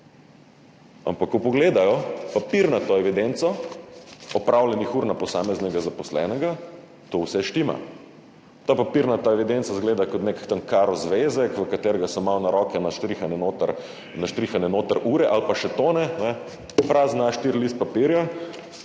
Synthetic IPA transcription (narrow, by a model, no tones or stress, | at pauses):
a̰mpakːɔpɔɡleːd̪ajɔpapiɾnat̪oɛʋid̪ent̪sɔ | ɔpɾʔawlɛnixuːɾnapɔsaːmɛznɛɡazapɔslɛ̰nɛɡa | t̪owsɛʃt̪ima̰ | t̪apapiɾnat̪aɛʋid̪ent̪sazɡleːd̪akɔt̪nekt̪ənkaːɾɔzʋezɛkʋəkat̪eɾɛɡasɔmawnaɾɔkɛnaʃt̪ɾixanɛnoːt̪əɾ | naʃt̪ɾixanɛnoːt̪əɾʔuɾɛʔalpaʃɛt̪oːnɛnɛ | pɾaːznaʃt̪iɾlist̪̚papiɾja